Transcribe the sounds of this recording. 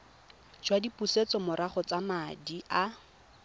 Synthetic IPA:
d͡ʒwadipuset͡sɔmʊɾaχɔt͡samadiʔa

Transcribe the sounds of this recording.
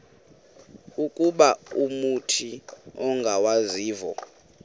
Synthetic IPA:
ukʼuɓaumutʰiɔŋɡʱawaziːvɔ̰

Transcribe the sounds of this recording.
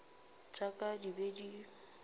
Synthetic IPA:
t͡sʼakʼadibedi

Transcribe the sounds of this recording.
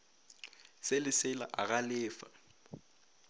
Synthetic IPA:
sɪlɪsɪla̰ʔaɣalɪːfa̰

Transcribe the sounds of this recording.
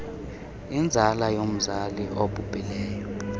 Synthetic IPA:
ind͡zʱalajom̩zaliʔoɓʱupʼilɛːjɔ

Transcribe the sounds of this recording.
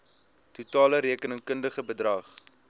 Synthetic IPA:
tutɑːləɾiəkənəŋkəndəχəbədrɐχ

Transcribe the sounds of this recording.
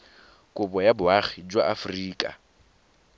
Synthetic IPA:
kʼʊpʼɔjabʊaχid͡ʒwaʔafʊriːkʼa̰

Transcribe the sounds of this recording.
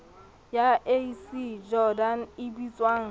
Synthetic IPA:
jaʔesid͡ʒɔdanɪbit͡sʼwaːŋ̩

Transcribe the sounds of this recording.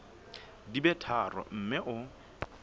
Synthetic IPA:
dibɛtʰarɔ̰m̩mɪʔʊ

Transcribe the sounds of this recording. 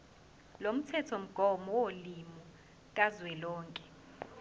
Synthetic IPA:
lom̩tʰɛtʰom̩ɡ̥ʱɔmɔwolimu | k̬ʼazwɛlɔːŋkʼɛ̥

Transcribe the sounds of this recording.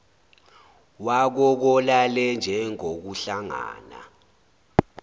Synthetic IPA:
wak̬ɔk̬ɔlalɛnd͡ʒʱɛŋok̬uɬaŋa̰ːna̰

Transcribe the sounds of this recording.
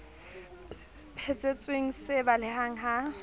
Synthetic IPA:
pʰet͡sʼet͡sʼweŋ̩sɪbalɪɦaŋ̩ɦa

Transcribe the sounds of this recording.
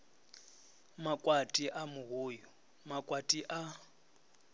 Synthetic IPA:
makʼwatʼiʔamʊɦuːjɔ | makʼwatʼiʔa

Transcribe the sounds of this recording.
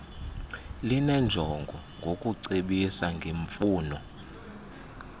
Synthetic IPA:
linɛnd͡ʒʱɔŋɡʱɔ | ŋɡʱokʼuǀeɓisaŋɡʱeɱfuːnɔ

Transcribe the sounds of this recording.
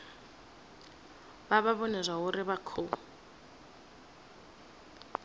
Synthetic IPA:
baβaβɔnɛzʷwaɦʊɾɪβakʰo

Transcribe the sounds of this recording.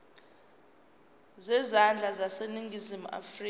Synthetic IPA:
zɛzand͡ɮʱazaseniŋɡʱizimua̰friː

